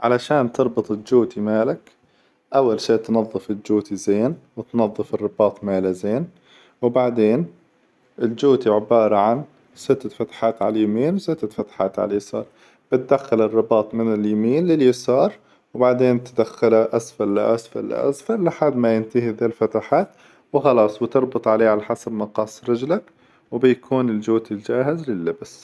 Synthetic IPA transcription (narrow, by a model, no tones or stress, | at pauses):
ʕalaʃaːnt̪ɨɾˤbɨt̪ˤɪld͡ʒuːt̪imaːlak | ʔawːalʃiːʔt̪nɑðˤːɨfɪld͡ʒuːt̪izeːnwɪt̪nɑðˤːɨfɨrːɨbɑːt̪ˤmaːlazeːn | wbaʕd̪eːn | ʔɪld͡ʒuːt̪iʕɪbɑːɾˤɑʕan | sɪt̪ːafat̪ḁħaːt̪ʕa̰ljamiːnwsɪt̪ːafat̪ḁħa̰ːt̪ʕa̰lajasɑ̰ːɾˤ | b̥ɪt̪̚d̪axːalɪrˤːɑbɑːt̪ˤmɪnɪljamiːnlɪljɪsɑːɾˤ | wbaʕd̪eːnt̪d̪axːalaʔasfal̰ːʔasfal̰ːʔa̰sfalːɪħad̪majɪnt̪ahiðaːlfat̪aħaːt̪ | wɪxɑlɑːsˤbɪt̪ɨɾˤbʊt̪ˤʕaleːʕalaħasabmɑqɑːsˤɾɪd͡ʒlak | wbɪjkʰuːnɪld͡ʒuːt̪ild͡ʒaːɦɪzlɪlːɪbs